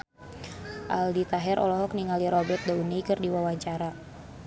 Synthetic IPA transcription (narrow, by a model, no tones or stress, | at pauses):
ʔa̰ldit̪aɦɛɾʔɔ̰lɔɦɔkniŋaliɾɔbɛt̪̚daunijkɨrdiwawaɲt͡ʃaɾa